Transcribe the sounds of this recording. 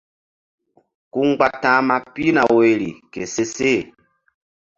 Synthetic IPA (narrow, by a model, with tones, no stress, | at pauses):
ku˦ŋ˦ɡ͡ba˦tã˦ma˦pi˦na˨we˨lḭ˨ke˨se˦se˦˨